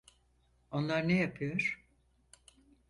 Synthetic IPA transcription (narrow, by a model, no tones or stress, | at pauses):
o̞nlˠaɾnejapʰɯjoɾ̥